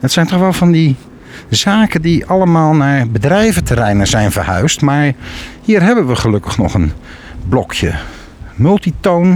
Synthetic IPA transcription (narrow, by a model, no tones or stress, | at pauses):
ətsɛjntɔχʋɛlˠvɑndi | zaːkədiʔɑləmaːlˠnaːɹbədrɛjvətəɾɛjnəzɛjnvəɹhœ̰ɥstmaːɹhiːrɦɛbənʋəχəlɵkəχnɔ̰χən | blɔkʰjə̰ | mɵlˠtitown